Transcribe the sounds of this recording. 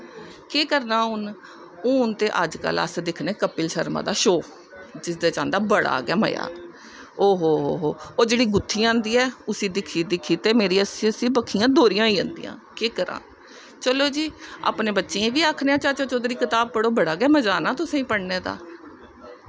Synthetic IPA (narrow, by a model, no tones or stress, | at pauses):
keːkəɾnaːʊn | õʊnt̪eːʔə̰d͡ʒkə̰lə̰sd̪ɪkʰneːkəpɪlʃəɾmã̰ːd̪aːʃoː | d͡ʒɪsd̪eːt͡ʃãːnd̪aːbəɽa̰ːɡa̰ːmə̰ja̰ː | oːɦoːɦo̰ːɦoːoːd͡ʒeːɽiːɡʊt̪ʰːiːãːnd̪iːɛːʊsĩːd̪ɪkʰːiːd̪ɪkʰːiːt̪eːmeːɾiːəsiːəsĩːbəkʰiːjãːd̪oːɾɪjãːiːə̃nd̪iːã̰ːkeːkəɾã̰ː | t͡ʃəloːd͡ʒiːa̰ːpneːbətːʃeãːʋiːaːkʰneːãːt͡ʃaːt͡ʃõːt͡ʃoːd̪ɾiːkɪt̪aːb̚pəɽoːbəɽaːɡɛːməd͡ʒaːnaːt̪ʊsẽːĩːpəɽneːd̪a̰ː